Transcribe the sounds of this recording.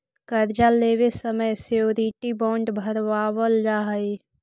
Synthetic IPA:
kəɾd͡ʒaleːʋesəməjseoɾiːʈibɔ̃ːɳɖbʱəɾʋaːwəld͡ʒaːɦəi

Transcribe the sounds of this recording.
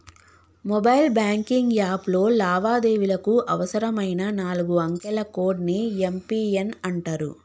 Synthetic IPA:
mɔbɐjlbjaːŋkiŋɡjaːplo̞ːlaːʋaːd̪e̞ːʋilɐkuʔɐʋɐsɐɾɐmɐjnɐnaːluɡuɐŋkɛlɐkoːɖniempiːenɐɳʈaːɾṵ

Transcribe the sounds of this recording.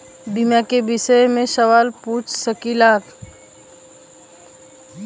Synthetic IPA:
bimjãkebɪsəjmẽʃəʋaːlpuːt͡ʃsəkilaːk

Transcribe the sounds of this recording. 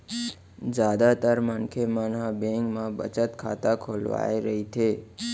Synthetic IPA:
d͡ʒad̪at̪əɾmənkʰemanɦãbẽŋɡmãbə̰t͡ʃət̪kʰat̪akʰolʋa̰eɾəɦit̪ʰe

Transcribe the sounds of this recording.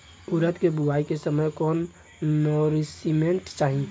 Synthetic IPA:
uɾət̪kebubaikesəməjkɔnː | oɾisimeɳʈt͡ʃaɦĩ

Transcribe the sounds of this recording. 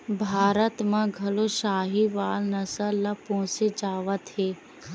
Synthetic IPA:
bʱaːɾət̪mãɡʱɐloʃaːɦiʋaːlnɐsəɾːapõːsed͡ʒaːʋət̪ɦeː

